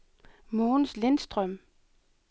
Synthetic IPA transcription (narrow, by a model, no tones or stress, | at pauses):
moːnslensd̥ʁœm̰